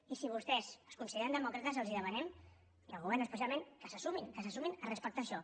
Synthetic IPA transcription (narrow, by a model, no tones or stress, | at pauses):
isiβ̞ust̪ɛzəskunsiðeɾənd̪əmɔkɾət̪əzəlˠziðəmənɛm | iəlˠɣuβɛɾrnəspəs̬ialˠmẽŋkəsəsuminkəsəsuminərəspək̚t̪aːʃɔ